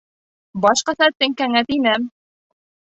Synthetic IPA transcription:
bɑʃqɑθæt̪ːɘŋkæŋæt̪inæm

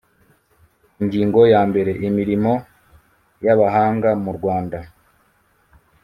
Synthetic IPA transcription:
iɲɟiːŋɡo̞jaːmbe̞ɾe̞ʔimiɾimo̞ | jaβaɦaːŋɡamuɾɡwaːnda

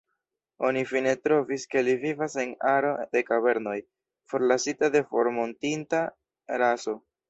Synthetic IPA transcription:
o̞nifine̞tɾo̞viske̞livivase̞naɾo̞de̞kaβe̞ɾno̞j | fo̞ɾlasitade̞fo̞̰ɾmo̞ntinta | ɾaso̞

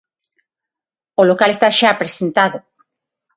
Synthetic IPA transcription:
olokalest̪aʃapɾesent̪aðo

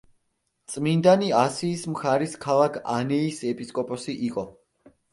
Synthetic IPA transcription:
t̪sʼmind̪aniasiːsmχaɾiskʰalˠakʰa̰nɛisɛpʼiskʼɔpʼɔsiʔiqʼɔ

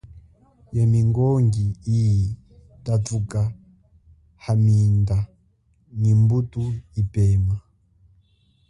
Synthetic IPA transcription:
jamiŋɡɔŋɡiiji | tatuka | haminda | nimbutuipɛːma

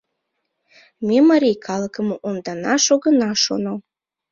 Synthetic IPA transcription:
mʲemɑɾʲijkʰɑləkəmoʔond̪ɑnɑʃoɣənɑʃo̰no

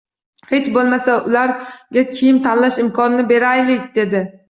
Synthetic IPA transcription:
he̞t͡ʃbolˠmasaʊlaɾɡʲakʲʰijɪmt̪ʰanlaʃɪmkʰɒnɪnɪbe̞ɾajlɪkʲd̪e̞d̪ɪ

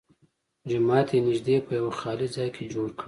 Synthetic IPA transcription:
d͡ʒʊmɑːt̪enɪʒd̪epəjawaxɑlizɑjkʰed͡ʒoɽkɽi

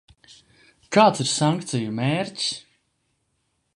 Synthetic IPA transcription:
kaːt̪siɾsaŋkt̪sijumɛːɾcs

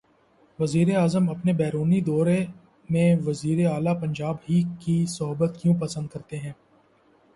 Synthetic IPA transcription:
ʋɐziːɾeaːzəmɐpnebɛːɾuːnid̪ɔːɾe | mẽʋɐziːɾeaːlapɐ̃ɲd͡ʒaːbɦikisɔɦbət̪kjũːpɐsə̃nd̪̚kɐɾt̪eɦɛ̃ː

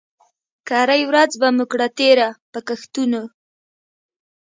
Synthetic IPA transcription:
kɑɾajwɾad͡zbamukɽat̪eɾapəkaxt̪uno

